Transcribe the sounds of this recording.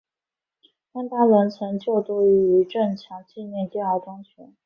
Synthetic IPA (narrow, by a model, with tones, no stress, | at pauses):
t̪a˥nt̪a˥lə˧˥nt͡sʰə˧˥ŋt͡ɕjo˥˩ʊt̪o˥y˧˥y˧˥ʈ͡ʂə˥˩nt͡ɕʰjɑ˧˥ŋt͡ɕi˥˧njɛ˥˧nt͡ɕ̪jɛ˥˩nɑ˧˩ʊʈ͡ʂɑ˥ŋt͡ɕʰɥɛ̰˧˥n